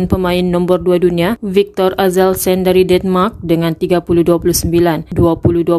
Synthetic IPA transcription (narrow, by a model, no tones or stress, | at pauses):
npəmãɪnːɔ̃mbərduadunĩavik̚t̪ɔrazɛlsɛndaɾidɛnmark̚dəŋant̪iɡapuluhduapuluhsəmbilanduapuluhdua